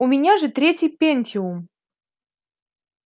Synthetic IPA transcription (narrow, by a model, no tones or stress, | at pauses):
ʊmʲɪnʲaʐɨt̪ɾʲetʲɪjpʲenʲsʲiʊm